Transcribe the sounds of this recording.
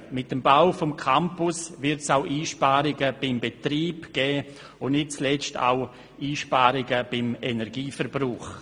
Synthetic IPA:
mɪtːəmbaʊfɔmkʰampʊsvɪɾtsaʊʔiːʃpaːɾɪɡəb̥ɪmbetɾiːbɡ̥ɛː | ʊnnɪt̚t͡slɛt͡stʰa̰ʊ | iːʃpaːɾɪɡəb̥ɪmenɛɾɡiːfɛɾbruːχ

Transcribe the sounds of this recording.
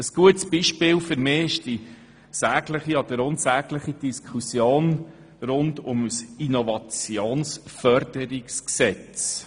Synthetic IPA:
əsɡ̥uətsb̥iʃpɪːlfʏɾmɪːɪʃd̥i | sæːɡləχiɑd̥əɾʊnsæːɡ̥ləχid̥iskʰχusjoːn | ɾʊndʊməsinovɑt͡sjoːnsfœɾd̥əɾiksksɛt͡s

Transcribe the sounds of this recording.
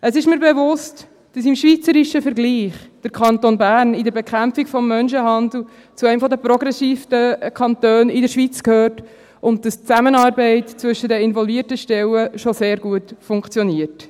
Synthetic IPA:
əsɪʃmiːɾbɛvʊst | d̥ɑsɪmʃʋit͡səɾiʃəfəɾɡliːχd̥əɾkʰɑntonbæːrnidəɾbɛkχæmpfikfɔmːœnʃəɦɑnd̪l̩ | t͡suɛɪmfɔdəpɾɔɡɾɛsiːftəkʰɑnt̪øːnɪdəɾʃʋit͡skhøːt | ʊnt̚d̥ɑst͡sæmənɑːɾbɛɪtt͡sʋʏʃədəɪnvɔlviərtəʃtɛwəʃɔseːɾɡuətfʊŋkt͡sjɔniəɾt

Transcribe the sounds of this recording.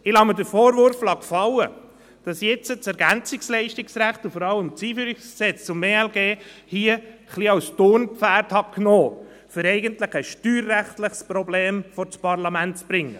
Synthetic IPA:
ɪlɑmədəɾfɔːɾʋøɾflɑkfɑwə | d̥ɑsjɛt͡sət͡sɛɾɡænt͡sɪkslɛɪʃtɪksɾæχtufɔɾɑləmt͡siːfyːɾiksksɛt͡st͡sʊmeːɛlɡeːhiːəχliɑwst̪onpfæːɾthɑknɔː | fʏɾɛɪɡəntləχɛsʃtyːɾːæχtləχspɾɔbleːmfɔɾt͡spɑɾlɑmæntt͡sb̥ɾɪŋːə

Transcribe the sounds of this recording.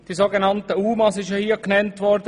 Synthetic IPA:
d̥izoɡenɑntəuːmɑsɪʃjohiːəknɛntʋɔɾdə

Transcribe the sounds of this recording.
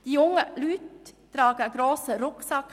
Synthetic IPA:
d̥ijʊŋəlyːtː | ɾɑːɡəɡɾoːsəɾʊksɑk

